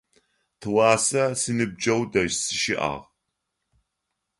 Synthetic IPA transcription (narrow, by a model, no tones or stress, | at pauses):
tʰɨwɑːsɐsɨnɨb̚d͡ʒɐwdɐʒsɨʃɪʔa̰ːʁ